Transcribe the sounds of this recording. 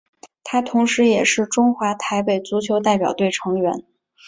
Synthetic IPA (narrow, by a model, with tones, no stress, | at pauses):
t̪ʰa˥t̪ʰʊ˧˥ŋʂɻ̩˧˥jɛ˨˩ʂɻ̩˥˩ʈ͡ʂʊ˥ŋxwa˧˥t̪ʰa˧˥ɪpe˨˩ɪt͡su˧˥t͡ɕʰjo˧˥ʊt̪a˥˩ɪpjɑ˨˩ʊt̪we˥˩ɪʈ͡ʂʰɤ˧˥ŋɥɛ˧˥n